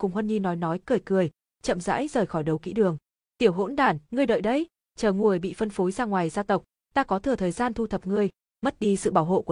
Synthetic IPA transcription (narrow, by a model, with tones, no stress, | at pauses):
kʊ˨˩ŋ͡mhwə˧nɲi˧nːɔ˨˦jnɔ˨˦jkɨ˨˩əjkɨ˨˩əj | t͡ɕə̰˧˨mza̰ː˧˥jzəː˨˩jxɔ˧˩jɗə˨˦wkḭ˧˥ɗɨ˨˩əŋ | t̪i˧˩əwɦo̰˧˥nɗaː˨˩nŋɨ˧əjɗə̰˧˨jɗə˧j | t͡ɕəː˨˩ŋu˨˩əjɓḭ˧˨fə˧nfo˨˦jzaː˧ŋwaː˨˩jzaː˧t̪ə˨˩wk͡p̚ | t̪aː˧kɔ˨˦t̪ʰɨ˨˩ət̪ʰəː˨˩jzaː˧nt̪ʰu˧t̪ʰə˨˩p̚ŋɨ˧əj | mə˦˥t̚ɗi˧sɨ̰˧˨ɓaː˧˩wɦo̰˧˨ku˧˩˨